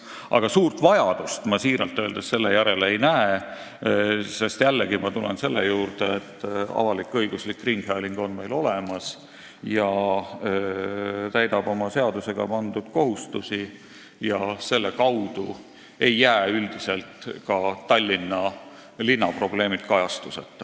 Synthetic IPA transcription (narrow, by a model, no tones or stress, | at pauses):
ʔɑ̰ɡ̥ɑsuːrt̪vɑjɑd̪̥ust̪mɑsiːɾɑlt̪ːˑøːld̪esse̞lːejæɾe̞lejnæe | se̞st̪jælːeɡimɑt̪ulḛnse̞lːejuːrd̪̥eet̪ːɑ̰vɑlikːˑɤjɡ̥uslikːriŋɡ̥hæliŋɡ̥o̞nme̞jlo̞lemɑs | jɑ | t̪æjd̪̥ɑb̥o̞mɑse̞ɑd̪use̞ɡ̥ɑ̰pɑnd̪ud̪̥ko̞ɦust̪usi | jɑse̞lːe̞kɑwd̪̥u | e̞jːæːyld̪̥ise̞lt̪kɑt̪ɑlʲːinːɑ | linːɑpro̞b̥le̞ːmit̪kɑjɑst̪usḛt̪ːˑ